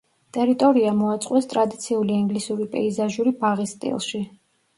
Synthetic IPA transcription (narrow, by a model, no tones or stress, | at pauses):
t̪ʼɛɾit̪ʼɔɾiamɔat̪sʼqʼwɛst̪ʼɾad̪it̪sʰiuliiŋɡlisuɾipʼɛ̰izaʒuɾibaʁist̪ʼḭlˠʃi